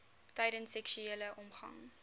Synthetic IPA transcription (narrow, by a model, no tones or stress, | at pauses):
tɐjdənsɛkʃyeːləʔɔmχɐ̰ŋ